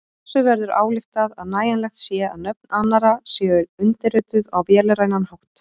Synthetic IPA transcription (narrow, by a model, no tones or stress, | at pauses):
sʏvɛɾðʏɾa̰ːwlɪxt̪aðaðnaːjanlɛxt̪sjɛa̰ðnœp̚nanːaɾasjɛːʏɾʏnt̪ɪɾʏt̪ʏðawvjɛːlɪɾaːjnanhowht̪